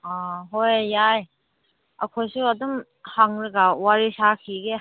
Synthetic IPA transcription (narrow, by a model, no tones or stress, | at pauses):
aɦojjaj | akʰojsuadɔm | haŋɾɯɡawaɾisakʰiɡe